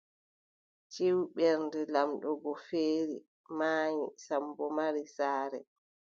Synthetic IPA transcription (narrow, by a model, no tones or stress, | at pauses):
t͡ʃiwɓɛɾndɛlamɗɔɡɔfeːɾi | maːɲisambɔmaɾisaːɾɛ